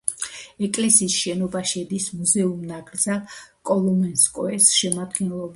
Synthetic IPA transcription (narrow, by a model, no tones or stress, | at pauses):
ɛkʼlɛsiːsʃɛnɔbaʃɛd̪ismuzɛumnaɡɾd̪zalkʼɔlˠɔmɛnskʼɔɛsʃɛmad̪ɡɛnlˠɔb